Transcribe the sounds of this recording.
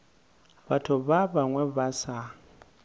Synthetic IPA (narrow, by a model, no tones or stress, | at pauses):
batʰʊβabaŋwɛβasa